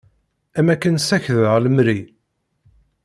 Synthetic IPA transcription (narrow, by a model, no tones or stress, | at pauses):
æmækːənsæçðʁləmɾi